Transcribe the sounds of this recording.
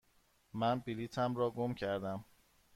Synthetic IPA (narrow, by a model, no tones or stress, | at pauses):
mænbilit̪ʰæmɾɒːɡomcʰæɾd̪æm